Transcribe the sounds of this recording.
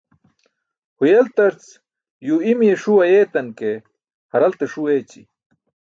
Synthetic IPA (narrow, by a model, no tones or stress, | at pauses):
hujelt̪ɐɾt͡s | juimieʂuwɐjet̪ɐnke | hɐɾɐlt̪eʂuet͡ɕḭ